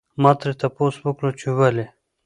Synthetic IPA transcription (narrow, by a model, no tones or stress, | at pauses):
mɑt̪ɾet̪aposwəkɽot͡ʃewale